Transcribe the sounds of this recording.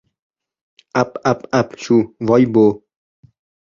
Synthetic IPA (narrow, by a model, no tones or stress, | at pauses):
apapapʃuvɔjbo